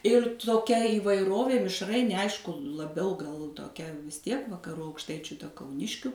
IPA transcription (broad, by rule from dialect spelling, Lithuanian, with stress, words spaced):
ɪr toːˈkʲɛ iːʋɐɪˈroːʋʲeː mʲɪʃˈrɐɪnʲeː ˈɐɪʃkʊ lˠɐˈbʲɛʊ ɡɐlˠ toːˈkʲɛ ʋʲɪs ˈtʲiɛk ʋɐkɐˈrʊ ɐʊkˈʃtɐɪt͡ʃʲʊ tɐ kɐʊˈnʲɪʃʲkʲʊ